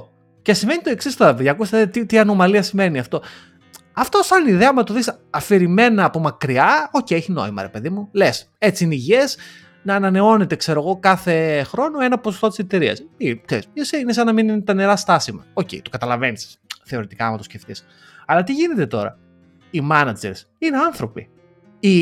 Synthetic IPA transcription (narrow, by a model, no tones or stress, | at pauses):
cesimve̞nit̪oeksist̪oɾɐpðjɐkust̪et̪it̪iɐno̞mɐliɐsimve̞niɐft̪o̞ | ɐft̪osɐniðeɐmɐt̪uðis | ɐfiɾimenɐːpumɐkɾiɐoceeçino̞̰imɐ̰ɾe̞pe̞ðimules | e̞t͡siineiʝies | nɐːnɐne̞o̞ne̞t̪e̞kse̞ɾo̞ɣo̞kɐθe̞xɾo̞no̞e̞nɐposost̪o̞t̪i̥set̪e̞ɾiɐ̰sikseɾisesiinesɐnɐmininet̪ɐne̞ɾɐst̪ɐsimɐocḛit̪okɐt̪ɐlɐve̞nisi̥sθe̞o̞ɾit̪i̥kɐmɐt̪osce̞ft̪is | ɐlɐt̪̬iʝine̞t̪e̞t̪o̞̰ɾɐ̰ | imɐnɐd͡ʒḛɾs | ine̞ɐnθɾo̞pḭ | i